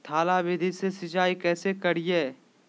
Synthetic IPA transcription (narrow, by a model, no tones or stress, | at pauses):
t̪ʰaːlabɪd̪ʱisesɪd͡ʒaːikɛːsekɐɽ̤ijeː